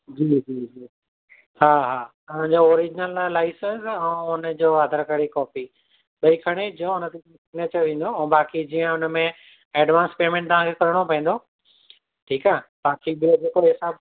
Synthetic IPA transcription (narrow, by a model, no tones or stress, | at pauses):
d͡ʑiːd͡ʑiːd͡ʑiː | haːɦaːt̪ɐʋ̤ãɲd͡ʑoɔːɾid͡ʑɪnəlːaːɪsəzɛ̃ːʊnəd͡ʑoːad̪ʱəɾkəɽikɔːpi | ɓɐikʰɐɽ̃ed͡ʑõʊnət̪e | sɪɡneːt͡ɕəɾʋĩːn̆d̪oɛ̃baːkid͡ʑiːə̃ʊnəmẽ | ɛːɖʋaːnspeːmẽɳʈ̚t̪ɐʋ̤ãkʰekɐɾəɽ̃opɐ̃ĩnd̪o | ʈʰiːkaːɦbaːkiɓɪod͡ʑeːkoɦɪsaːb